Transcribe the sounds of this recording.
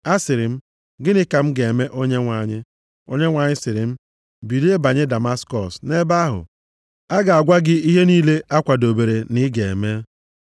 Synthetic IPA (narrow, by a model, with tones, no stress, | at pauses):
a˦sɪ˨ɾɪ˨m̩˦ | ɡɪ˦nɪ˦ka˨m̩˦ɡe˨e˨me˦ʔo˦ɲe˦ŋʷa˨ɲɪ˦ | o̰˦ɲe˦ŋʷa˨ɲɪ˦sɪ˨ɾɪ˨m̩˦ | bi˨ɾi˦e˦ba˨ɲɪ˦da˨ma˦skɔ˨sne˦ba˦ɦʊ̰˨ | a˦ɡa˨a˨ɡʷa˦ɡɪ˦i˦ɦe˦niː˦le˦ʔa˦kʷa˨do˨be˨ɾe˨nɪ˦ɡe˨e˨me˦